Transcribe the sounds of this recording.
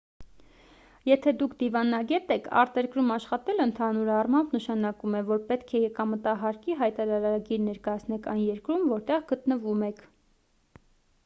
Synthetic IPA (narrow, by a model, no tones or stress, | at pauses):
jɛt̪ʰɛd̪ukʰd̪ivɑnɑɡɛt̪ɛkʰɑ̰ɾt̪ɛɾkɾumɑʃχɑt̪ɛlənt̪ʰɑnuɾɑrmɑmbnəʃɑnɑkumɛvɔɾpɛt̪kʰɛjɛkɑmət̪ɑɦɑɾkiɦɑjt̪ɑɾɑɾɑɾɑɡiɾnɛɾkɑjɑt͡sʰnɛkʰɑjnjɛɾkɾumvɔɾt̪ɛʁɡət̪nəvumɛkʰ